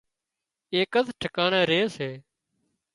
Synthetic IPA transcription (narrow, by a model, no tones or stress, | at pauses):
eːkət̪ʰʈʰəkaːɳẽːɾeːseː